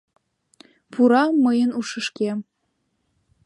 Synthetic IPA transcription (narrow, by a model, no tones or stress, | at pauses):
puɾɑmɤjə̆nuʃɤ̆ʃkʲe